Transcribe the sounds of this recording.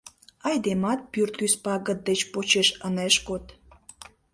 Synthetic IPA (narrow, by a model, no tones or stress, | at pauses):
ɑjd̪emɑt̪̚pyrt̪yspɑɣə̆t̪̚d̪et͡ɕpot͡ɕeʃəneʃkot̪